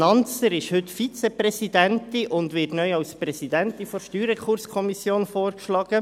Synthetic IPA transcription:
nɑnt͡səɾɪʃhʏtfit͡seprɛsidæntɪʔʊndʋɪːtnœʏɑwspɾɛsidænt̪ifɔɾʃtyːɾəkχʊɾskʰɔmisjoːnfoːrkʃlɑːɡ̥ə

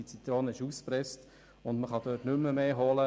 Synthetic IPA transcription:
it͡sit̪ɾoːnɪʃuːspɾɛst | ʊndməχɑd̥øːtnʏmːəmeːɦɔlə

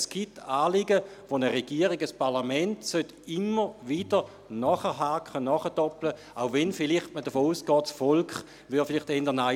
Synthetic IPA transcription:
sɡ̥itaːliɡəʋonəʁeɡ̥iəʁiɡəspʰaʁlamɛntsøt | ɪmːəʋid̥ə | nɔχəɦakχənɔχəd̥ɔplə | aʊvɛnfɪliχtmədəfoːuːsɡ̥ɔːtsfɔlkχ | ʋyɐfiliχtɛndəɐna

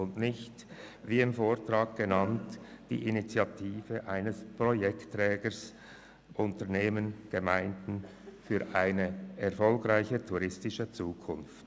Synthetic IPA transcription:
ʊntnɪçt | viːɪmfoːʁtʁaːɡ̚ɡ̥ənɑntd̥ḭːʔinit͡sjatʰiːvəʔaɪnəspʁɔjɛktːʁɛːɡəs | ʔʊntəʁneːmənɡ̥əmaɪndn̩ | fyːɾʔaɪnəɛɐfɔlkʁaɪçətʰuʁɪstɪʃət͡suːkʰʊnft

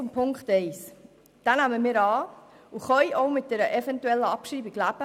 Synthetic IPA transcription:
ʊmpʰʊŋkχtɛɪs | d̥ænæməmɪːɾɑː | uχœjʔoʊmɪt̚d̥ɛɾəʔɛfɛntuɛlːəɑpʃiːbiɡ̥læb̥ə

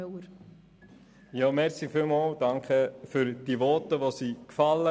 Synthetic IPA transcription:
əɾ | jɑːmɛɾsifɪlmɑːld̥ɑŋkχəfʏɾd̥iʋɔtəʋosiːkfɑlːə

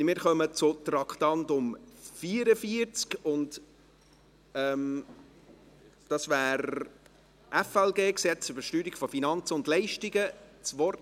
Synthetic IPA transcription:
mɪːɾχœmət͡sʊt̪rɑkʰtɑntʊmfiəɾəfiəɾt͡skʊnt | ɛm | d̥ɑsvæːɾ | ʔɛfɛlɡeːksɛt͡sʏb̥əʃtyːɾikfɔfinɑnt͡səʊndlɛɪʃtiɡət͡sʋɔrt

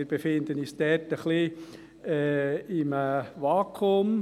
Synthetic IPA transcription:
ɾb̥efɪnd̪ənisd̪̥ɛtəχli | ɛɪməʋɑːkʰʊm

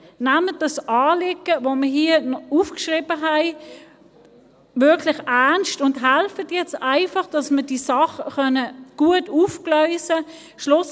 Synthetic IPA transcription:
næmədɑsʔɑːlɪɡəvoməɦiːənɔufkʃʁɪbəɦæɪ | vɪɐkʰlɪχæʁnstʊndɦælfətjɛt͡staɪfɑχd̥ɑsməd̥iːsɑχəχœnəɡ̥uətuːfklœʏsə | ʃlʊs

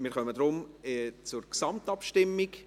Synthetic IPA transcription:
mɪːɾχœmədɾʊmt͡sʊɾksɑmtɑpʃtɪmːɪɡ

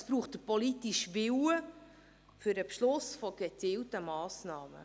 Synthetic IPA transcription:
əsb̥ɾuːχtdəpɔlitiʃʋɪwə | fɵɾəpʃlʊsfɔɡ̥et͡siːltəmɑːsnɑːmə̰

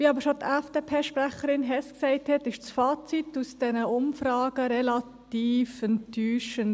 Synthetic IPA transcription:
ʋiːɑbəɾʃot̪ɛfd̥eːpʰeːʃpræχəɾɪnɦɛsksɛɪthɛtɪʃsfɑːt͡situsd̥ɛnəʔʊmfɾɑːɡ̥əɾɛlɑt | iːfɛntːyːʃən

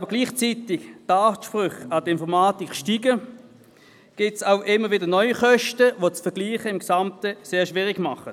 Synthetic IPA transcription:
ɑːbəɡliːχt͡sitɪkdaːʃpʁʏχɑdəɪnfɔʁmaːtikʃtiːɡə | ɡ̥ɪtsaʊʔɪmːəvɪdənɔʏiχœʃtəvot͡sfɛɐɡliːχəɪmɡ̥samtəseːɐʃvɪːʁɪɡ̥mɑχə

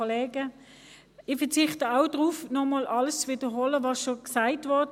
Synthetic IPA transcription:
oleːɡə | ɪfəɐt͡sɪχtəaʊd̥ʁuːfnɔmɔːlʔɑləst͡sʋiːdəɦɔləʋɑsʃoksaɪtʋɔɐt

